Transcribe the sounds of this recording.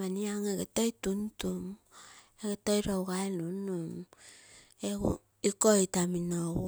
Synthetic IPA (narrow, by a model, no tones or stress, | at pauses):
aniaŋeɡetojtuntum | eɡetojɾowɡajlunum | eṵ | ikojtaminoɣu